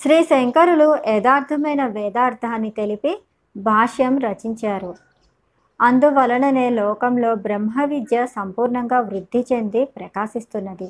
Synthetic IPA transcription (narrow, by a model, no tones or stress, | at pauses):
ʃɾiːseŋkɐɾuluɛːd̪aːɾt̪ʰɐmɐjnɐʋɛːd̪aːɾt̪ʰaːnːit̪e̞lipi | bʱaːʂjɐmɾɐt͡ʃiɲt͡ʃaːɾu | ɐnd̪uʋɐlɐɳɐneːlɔːkɐmlo̞ːbɾemɦɐʋid̪jɐsɐmpuːɾɳɐŋɡaːʋɾud̪ʱːit͡ʃe̞nd̪ipɾɐkaːʃist̪unːɐd̪i